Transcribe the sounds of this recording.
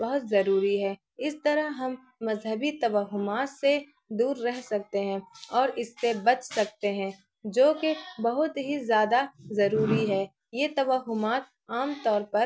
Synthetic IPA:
bɐɦʊt̪zɐɾuːɾiɦɛː | ɪst̪ɐɾəɦɦɐmː | ɐzɦəbit̪ɐʋəɦʊmaːt̪se | d̪uːɾːɛɦsɐk̚t̪eɦɛ̃ɔːɾɪsːebɐt͡ʃsɐk̚t̪eɦɛ̃ː | d͡ʒoːkebɐɦʊt̪ɦizjaːd̪azɐɾuːɾiɦɛː | jeːt̪ɐʋəɦʊmaːt̪̚ | aːmt̪ɔːɾpɐɾ

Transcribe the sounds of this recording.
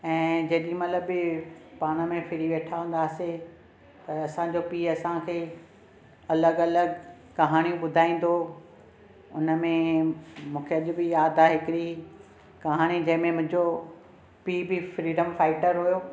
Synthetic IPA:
ɛ̃ːd͡ʑɐɗĩmɐt̪ləbɪpaːɽ̃ə̆mẽfɪɾiʋeːʈʰaʋə̃n̆d̪aːse | t̪ɐɐsãd͡ʑopiːɐsãkʰeː | ɐləɡɐləɡ | kɐɦaːɽ̃iũɓʊd̪ʱaːĩːn̆d̪o | ʊnəmẽmũːkʰeɐʄʊbɪjaːd̪ʱaɦɪkɪɾi | kɐɦaːɽ̃id͡ʑɐ̃ɦɪ̃mẽmʊ̃ɦɪ̃ɲd͡ʑo | piːbɪfɾiːɖəmfaːɪʈəɾɦujoː

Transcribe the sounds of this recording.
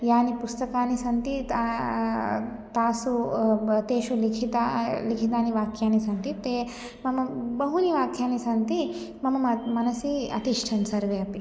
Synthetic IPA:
jaːnipust̪ɐkaːnisɐnt̪it̪a | t̪aːsut̪eːʃulikʰit̪alikʰit̪̬aːniʋaːkjaːnisɐnt̪it̪eː | mɐmɐbɐɦuniʋaːkʰjaːnisɐnt̪i | mɐmɐmɐmɐnɐsiːɐ̰t̪iʂʈʰɐnsɐɾʋeɐpi

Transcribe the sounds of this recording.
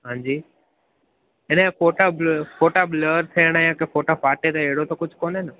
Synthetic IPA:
ɦãːɲd͡ʑiː | ɪnẽfoːʈabfoːʈabləːəɾt̪ʰeːɽ̃ajãkẽfoːʈafaːʈet̪ɐeɦɽot̪ɐkʊd͡ʑʱkoːnɦɪnɪ

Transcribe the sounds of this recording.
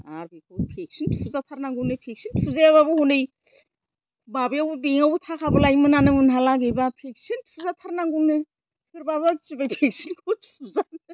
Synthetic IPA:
a̰ɾbikʰowpʰek̚sintʰfuzatʰaɾnaŋɡuŋnɯpʰek̚sintʰfuzaaβabɯhunɯj | babɯjawbubiŋawbutʰakʰabulajmɯnanɯmɯnɦalaɡejbapʰek̚sintʰfʰuzatʰaɾnaŋɡuŋnɯ | tʰɯɾbaβaɡt͡ʃibajpʰek̚sinkʰotʰuzan

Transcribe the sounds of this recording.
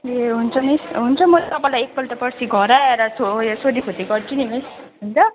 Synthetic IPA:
eɦunt͡sʰʌnisɦunt͡sʰʌmʌlat̪ʌpãĩlajek̚pʌlt̪ʌpʌsiɡʱʌɾaeɾʌsosod̪ikʰot̪iɡʌrt͡sinimes | ɦunt͡sʌ

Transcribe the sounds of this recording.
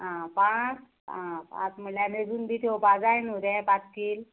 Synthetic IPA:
ɦãpãt͡s | ãpã̰t͡sməljaned͡zuːnb̪it̪ʰopad͡zajnuɾɛ̃pat͡skiːl

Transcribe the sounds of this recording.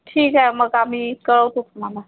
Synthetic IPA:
ʈʰiːkɦɛməkamikəɾɔt̪ukʰmana

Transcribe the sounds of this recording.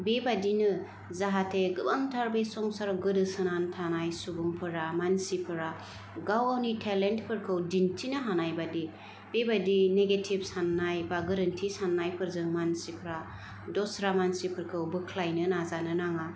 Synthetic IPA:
bebadinɯ | zaɦatʰeɡɯbaŋtʰaɾbesɔŋsaɾɡɯdɯsɯnantʰanajsubumpʰɯɾamansipʰɯɾa | ɡawawnitʰelentpʰɯɾkʰɯwdintʰinɯɦanajbadi | b̥ebadineɡetʰib̚sanːajbaɡɯɾɯntʰisanːajpʰɯɾzɯŋmansipʰɯɾa | dɔsɾamansipʰɯɾkʰɯwbɯkʰlajnɯnazanɯnaŋa

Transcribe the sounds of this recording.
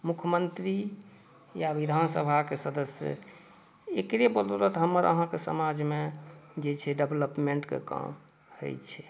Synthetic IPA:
mukʰəmənt̪ɾi | jaʋid̪ʱansəbʱakesəd̪əsjə̰ | ekɾebololət̪ɦəmːəɾə̰ɦãkesə̰mad͡ʒʱmed͡ʒet͡ʃʰɛɖebləpmeɳʈkḛka̰m | hə̰jt͡ʃʰɛ

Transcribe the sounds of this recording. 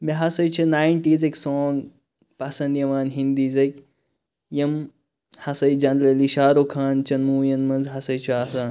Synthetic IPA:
miɦɐsɐjt͡ʃʰɐnaːjɳʈiːzekʲsɔːŋɡ | pasɐnd̪jɐʋaːnɦind̪iːzek | jɐm | hɐsɐjd͡ʒand̪leliʃaːɾokʰaːnt͡ʃɐnmuːjɐnmɐnzɦɐsɐjt͡ʃʰɐasaːn

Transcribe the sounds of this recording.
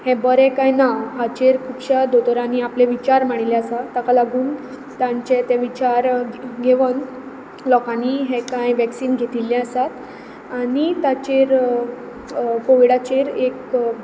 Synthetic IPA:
hɛ̃bəɾɛ̃kajnaɦat͡ɕeɾkʰuːbɕad̪ot̪əɾãniaplɛʋit͡ɕaɾmaɽ̃ilɛ̃əsat̪akalaɡuːn | t̪ãɲt͡ɕɛt̪ɛʋit͡ɕaɾɡʱeʋən | lɔkãniɦɛ̃kajʋɛksiːnɡʱet̪iljɛ̃əsat̪ | aɽit̪at͡ɕeɾ | koʋiɽat͡ɕeɾek

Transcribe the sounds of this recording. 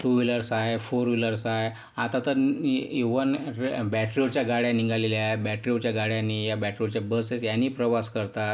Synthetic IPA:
ʈ̪uʋiləɾsajfoɾʋiləɾsaj | at̪at̪əɾiʋənbɛʈɾiot͡ɕjaɡaɽjãniŋɡaleljabɛʈɾiot͡ɕjaɡaɽjãnːijabɛʈɾiot͡ɕjabəsesjanːiːpɾəʋaskəɾt̪at̪

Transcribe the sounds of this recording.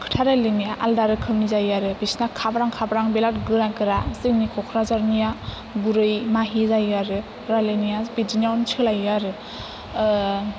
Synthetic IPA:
kʰɯ̥tʰaɾalɯnijaʔaldaɾɯkʰɯmnizajaɾɯbisnakʰabɾaŋkʰabɾaŋbelat̚ɡɯɾaɡɯɾasɯŋnikʰɔkʰɾazaɾnija | ɡuɾɯjmaɦizajaɾɯ | ɾalɯnijabidinawnt͡ʃʰɯlajaɾɯ

